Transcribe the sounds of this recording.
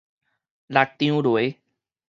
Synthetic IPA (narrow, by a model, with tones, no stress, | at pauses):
la˨ʈ̚t̪ĩ˦ũː˦ɾoː˨e˦